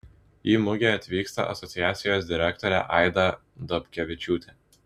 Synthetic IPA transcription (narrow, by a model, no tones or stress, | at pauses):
jiːmʊɡʲeɐt̪ʲʋʲiːkst̪ɐ̰ʔɐ̰sɔt̪sʲɪjæːt̪sʲɪjoːsd̪ʲɪɾʲɛkt̪ɔɾʲæ̰ʔɐɪd̪ɐ | d̪ɔpʲkʲɛʋʲɪt͡ʃʲuːt̪ʲɛ